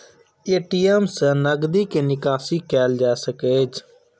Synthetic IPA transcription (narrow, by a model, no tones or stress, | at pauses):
eːʈiːɛːmsənəɡd̪iːkeːnɪkaːsiːkɛːld͡ʒaːsəkeːd͡ʒ